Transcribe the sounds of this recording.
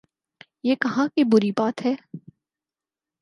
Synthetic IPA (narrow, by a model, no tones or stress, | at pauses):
jeːkɐɦãkibʊɾibaːt̪ɦɛː